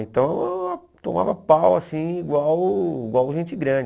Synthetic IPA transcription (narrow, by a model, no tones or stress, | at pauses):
ẽt̪ɐ̃w̃ | t̪õma̰vɐpawasĩiɡwawiɡwawʒẽnt͡ʃɪɡɾɐ̃d͡ʒ